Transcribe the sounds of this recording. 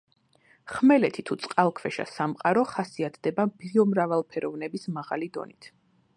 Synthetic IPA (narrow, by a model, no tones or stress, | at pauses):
χmɛlɛt̪ʰit̪ʰut̪sʼqʼalˠkʰvɛʃa̰samqʼaɾɔχasiat̪ʰd̪ɛbabiɔmɾavalˠpʰɛɾɔvnɛbismaʁa̰lid̪ɔ̰nit̪ʰ